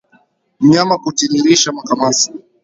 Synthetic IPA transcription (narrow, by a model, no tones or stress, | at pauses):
m̩ɲamakutiɾiɾiʃamakamasi̥